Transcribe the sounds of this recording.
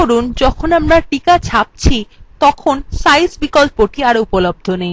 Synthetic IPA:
oɾund͡ʑɔkʰonamɾaʈikat͡ɕʰap̚t͡ɕʰit̪ɔkʰonsajsbikolpoʈiaɾoupolob̚d̪ʱonej

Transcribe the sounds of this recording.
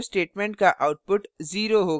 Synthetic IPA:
sʈeːʈmɛ̃ɳʈ̚kaʔaːʊʈ̚pʊʈziːɾoɦoː

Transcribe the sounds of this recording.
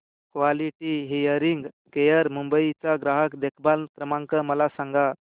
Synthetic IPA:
kʋaliʈiɦejəɾiŋɡ | kejəɾmumbəit͡saɡɾaɦəkd̪ekʰbalt̪ɾəmãŋkəməlasãŋɡa

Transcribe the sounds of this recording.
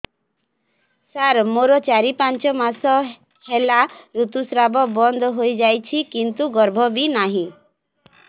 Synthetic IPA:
saɾmoɾɔt͡ʃaɾipant͡ʃɔmasɔ | helaɾut̪usɾabɔbɔnd̪ʱɦojd͡ʒajt͡ʃʰikint̪uɡɔɾbʱɔbinaɦĩ

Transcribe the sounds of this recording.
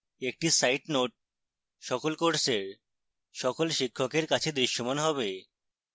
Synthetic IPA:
ek̚ʈisajʈnoʈ̚ | ʃɔkolkoɾseɾ | ʃɔkolʃikʰːokeɾkat͡ɕʰed̪ɾiʃːomanɦɔbe

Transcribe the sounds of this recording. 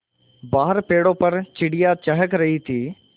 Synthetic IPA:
baːɦəɾpeːɽoːpɐɾt͡ʃɪɽɪjat͡ʃəɦəkɾɐɦit̪ʰiː

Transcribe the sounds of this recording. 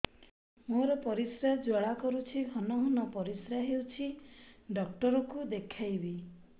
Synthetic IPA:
moɾɔpɔɾisɾjad͡ʒɔɭakɔɾut͡ʃʰiɦɔnɔɦɔnɔpɔɾisɾjaɦewt͡ʃʰiɖɔk̚ʈɔɾɔkud̪ekʰajbi

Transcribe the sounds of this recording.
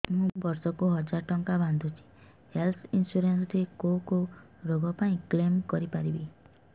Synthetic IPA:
mũbɔɾsɔkuɦɔd͡ʒaɾʈɔŋkaband̪ʱut͡ʃʰi̥ | helt̪ʰinsuɾensɾekoko | ɾoɡɔpaĩklemkɔɾipaɾibi

